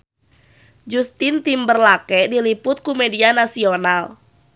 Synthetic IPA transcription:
d͡ʒust̪ɪnt̪imbərlakɛdilipʊt̪̚kumedianasional

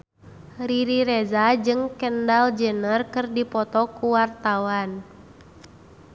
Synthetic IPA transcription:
ɾiɾiɾezad͡ʒɨŋkəndald͡ʒənərkɨrdipɔt̪ɔkuwart̪awan

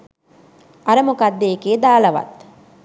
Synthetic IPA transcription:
ɐɾəmukad̪ːekeːd̪aːlɐʋɐ̰t̪

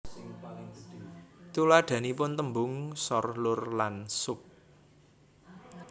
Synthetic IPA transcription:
t̪ulaɖ̪̥ä̤nipʊnt̪əmbʊŋsɔrlʊrlansʊp̚

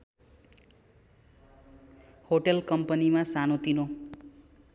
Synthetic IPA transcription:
hoʈelkʌmpʌnimasanot̪ino

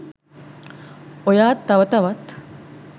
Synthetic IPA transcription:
ojaːt̪ːɐʋɐt̪ɐʋɐt̪

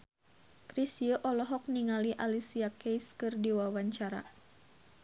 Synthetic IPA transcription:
kɾisiəʔɔlɔɦɔk̚niŋaliʔalisiakejskɨrdiwawaɲt͡ʃaɾa̰

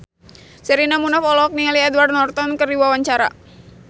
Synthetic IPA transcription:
səɾinamunafɔlɔɔk̚nialiɛdward̪̚nɔrt̪ɔnkɨrdiwawaɲt͡ʃaɾa̰

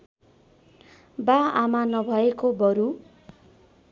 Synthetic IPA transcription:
baamanʌbʱʌekobʌɾu

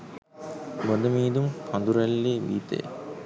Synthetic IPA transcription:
mod̪ɐmiːd̪umkʰɐnd̪uɾɐlːeːʋḭːt̪ḛ

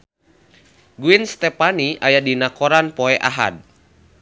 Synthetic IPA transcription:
ɡuinst̪ɛpaniʔajadinakɔɾanpɔɛʔaɦa̰d̚

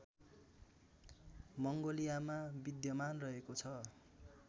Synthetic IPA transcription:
mʌŋɡolijamabid̪jʌmanrʌɦekot͡sʰʌ

